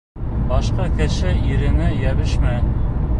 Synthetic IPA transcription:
bɑʃqɑkɘ̆ʃɘiɾɘ̆nɘjæβɘʃmæ

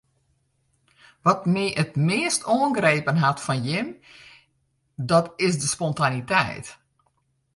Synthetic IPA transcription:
ʋɔtmiːʔətmɪːstʰoːənɡreːpənɦatfɔnjɪm | dɔtɪsdəspɔntanitɛ̰jt

